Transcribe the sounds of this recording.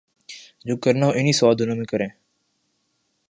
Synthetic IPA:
d͡ʒoːkəɾnaːɦõʔɪniːsʋaːd̪ʱɪnõːmẽːkəɾẽː

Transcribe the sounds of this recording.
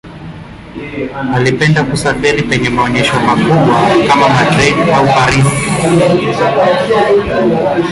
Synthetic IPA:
alipɛndakusafiɾipɛɲɛmaɔɲɛʃɔmakuɓwakamamadɾɛdaufaɾisi

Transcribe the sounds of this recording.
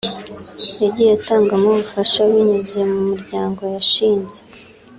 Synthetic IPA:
jaɟieataːŋɡamoβufaʃaβiɲuzemumuɾɟaːŋɡo̞jaʃiːnze

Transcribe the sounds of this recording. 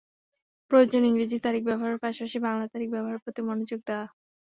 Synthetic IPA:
pɾood͡ʑoniŋɾid͡ʑiɾt̪aɾik̚bɛboɦaɾpaʃapaʃibaŋlat̪aɾik̚bɛboɦaɾpɾot̪imɔnod͡ʑoɡ̚d̪a

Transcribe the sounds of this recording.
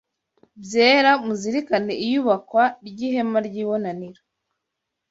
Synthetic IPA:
bjeːɾamuziɾikane̞ʔijuːβakwaɾɟiːɦe̞maɾɟiːβo̞naniɾo

